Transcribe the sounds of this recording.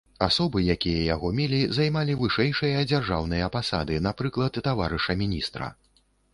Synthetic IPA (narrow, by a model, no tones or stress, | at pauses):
asɔbɨjakʲijɐjaɣɔmʲɛlʲizajmalʲivɨʂɛjʂɨjɐd͡zʲarʐawnɨjɐɐpasa̰d̪ɨnapɾɨklˠɐt̪ːavaɾɨʂɐmʲinʲist̪ɾɐ̰